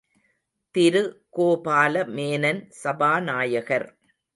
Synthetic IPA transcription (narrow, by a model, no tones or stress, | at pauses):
t̪ɪɾɯkoːpaːlɐmeːnɐnsɐbaːnaːjɐɣɐɾ